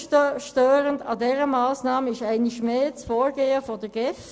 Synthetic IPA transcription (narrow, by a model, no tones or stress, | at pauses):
ʃtøːʁəndɑdɛːʁəmɑːsnɑːməɪʃæɪnɪʃmeːt͡sfoːɹɡeːəfodəɡ̥ɛft